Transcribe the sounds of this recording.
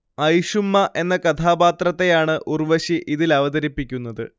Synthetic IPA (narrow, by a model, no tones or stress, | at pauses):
ɐjʂumːɐʔe̞nːɐkɐt̪ʰaːbaːt̪rɐt̪ːe̞jaːɳɨʔurʋɐɕiʔiðilɐʋɐðɐɾipːikʲːunːɐðɨ̰